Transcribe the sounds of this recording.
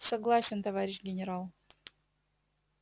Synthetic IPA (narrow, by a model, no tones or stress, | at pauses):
sɐɡlˠasʲɪnt̪ɐvaɾʲɪɕɡʲɪnʲɪɾalˠ